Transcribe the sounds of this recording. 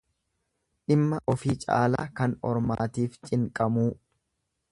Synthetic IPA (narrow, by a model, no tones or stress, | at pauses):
ᶑɪmːɐʔɔfiːt͡ʃʼa̰ːla̰ːkɐnɔ̰ɾmaːt̪iːft͡ʃʼɪŋkʼɐmuː